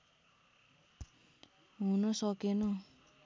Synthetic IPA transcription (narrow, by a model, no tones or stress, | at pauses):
ɦunʌsʌkenʌ